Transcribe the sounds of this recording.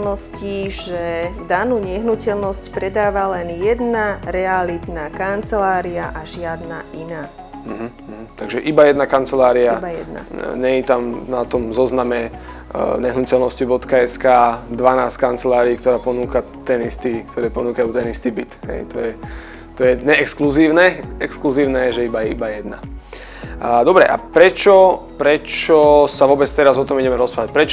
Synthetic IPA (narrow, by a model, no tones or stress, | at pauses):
lnɔsciʒɛd̪anuːɲɛɦnucɛlnɔscpɾɛd̪aːʋalɛnjɛd̪naɾɛalit̪nakant͡sɛlaːɾiaʔaʒɪad̪na̰ʔinaː | m̩ɦ̩ɦ̩t̪aɡʒɛʔibajɛd̪nakant͡sɛlaːɾiabajɛ̰d̪na̰ɲɛjit̪amnat̪ɔmzɔznamɛ | ɲɛɦnucɛlnɔscibɔt̪kaɛskaːd̪ʋanaːsckant͡sɛlaːɾiːkt̪ɔɾaːpɔnuːka | t̪ɛnist̪iːkt̪ɔɾɛːpɔnuːkajuːt̪ɛnist̪iːbit̪ɦɛ̰jt̪ɔjɛ | t̪ɔjɛɲɛɛkskluziːʊnɛɛkskluziːʊnɛʒɛibajɛibajɛd̪na̰ | d̪ɔbɾɛʔa̰pɾɛt͡ʃɔpɾɛt͡ʃɔsaʋʊɔːbɛt͡st̪ɛɾazɔt̪ɔmiɟɛmɛɾɔspɾaʋac̚pɾɛt͡ʃ